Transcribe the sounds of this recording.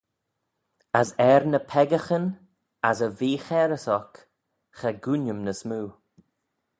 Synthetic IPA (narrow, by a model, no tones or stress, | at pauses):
asɛɾnəpʰɛɡəxən | asəviːxɛɾəsɔk | xɛɡunəmnəsmuː